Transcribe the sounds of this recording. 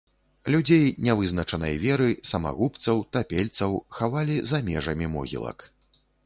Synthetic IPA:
lʲud͡zʲejnʲɛvɨznɐt͡ʂɐnɐ̰jvʲɛɾɨsɐma̰ɣupt̪sɐwt̪apʲelʲt̪sɐwxavalʲizamʲɛʐɐmʲimɔ̰ɣʲḭlˠɐ̰k

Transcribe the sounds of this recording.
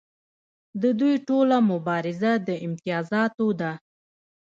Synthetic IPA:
d̪əd̪ujʈolamʊbɑɾɪzad̪əɪmt̪ɪjɑzɑt̪od̪a

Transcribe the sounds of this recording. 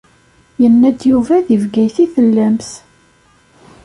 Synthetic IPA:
jənːæd̪juvæðivɡæjθiθəlːæmθ

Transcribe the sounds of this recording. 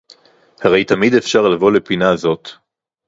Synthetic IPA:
haʁe̞jt̪amid̪efʃaʁlavo̞le̞pinaːzo̞t̪

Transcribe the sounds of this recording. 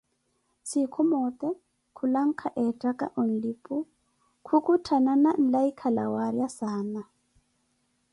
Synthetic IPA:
sikʰɔmɔt̪ʼɛ | kʰulaŋ̩kʰaʔɛtʼakʼa̰ʔɔn̩lipʼu | kʰukʼutʰananan̩laikʰala̰waɾjasaːna

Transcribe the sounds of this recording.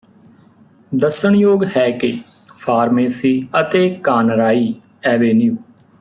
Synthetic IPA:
d̪əsəɳjoːɡhɛːkɪ | pʰaːɾmeːsiːət̪eːkaːnɾaːiː | ɛːʋeːnjuː

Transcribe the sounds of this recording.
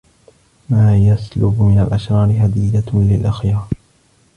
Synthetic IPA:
maːjaslʊbmɪnalʔaʃɾˤɑːɾɪɦad̪ɪlalɪlʔaxjɑɾˤ

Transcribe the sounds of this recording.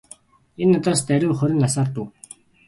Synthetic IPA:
enɔt̪aːst̪æɾʲʊːχɔɾʲɪ̆nasaːrt̪uw

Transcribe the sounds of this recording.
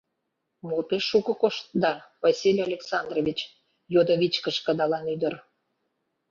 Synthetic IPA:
mopeʃːukɤ̆koʃt̪̚d̪ɑvɑsʲilʲolʲeksɑnd̪rovʲit͡ɕ | jod̪oβʲit͡ɕkəʃkə̆d̪ɑlɑnyd̪ər

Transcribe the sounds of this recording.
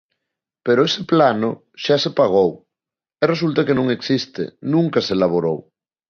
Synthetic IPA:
peɾoeseplano | ʃasepaɣ̞ow | ɛres̬ult̪akenõŋeksist̪ḛnũŋkaselaβ̞oɾow

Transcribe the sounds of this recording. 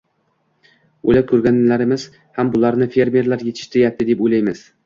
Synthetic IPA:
ojlakʲʰɵɾɡʲanlaɾɪmɪz̥ | hambʊlˠaɾnɪfe̞ɾmʲe̞ɾlaɾjet̪ʰɪ̥ʃt̪ɾjap̚t̪ʰɪd̪epojlajmɪz̥

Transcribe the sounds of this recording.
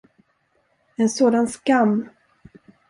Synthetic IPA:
ɛnsoːd̪anskamː

